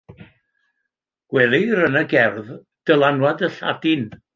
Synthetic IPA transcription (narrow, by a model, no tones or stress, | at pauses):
ɡ̥wɛlˠiɾənəɡɛrð | d̥əlˠanwadəɬa̰dɪn